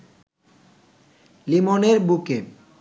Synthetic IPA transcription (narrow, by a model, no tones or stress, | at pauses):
limoneɾbuke